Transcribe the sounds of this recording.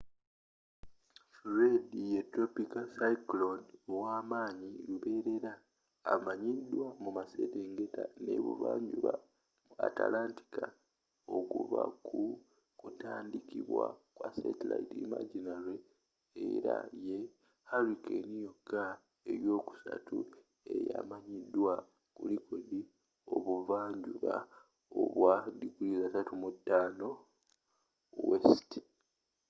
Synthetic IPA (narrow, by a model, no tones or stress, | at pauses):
fɾedijetopikasaiklonowaːmaːɲiluβe̞ːɾe̞ɾaː | maɲidwamumaseteŋɡe̞tane̞̰βṵβaːɲuβa | mua̰ta̰laːnti̥ka | okuβaku | kutaːndikiβwakwasetelaitimaɟinaɾeː | ɾaje | haɾikenijokːa | e̞ɾjo̞ːku̥sa̰tʰṵ | e̞jamaɲidːwa | kulikodi | o̞βuvaːɲɟuβa | oβwadikulizasatumutːaːno | westi̥